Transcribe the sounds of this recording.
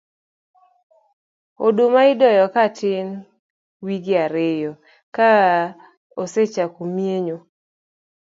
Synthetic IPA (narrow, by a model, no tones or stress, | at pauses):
odomaɪdɔjɔkatɪn | wiɡɪaɾejɔ | ka | oset͡ʃakomjeɲo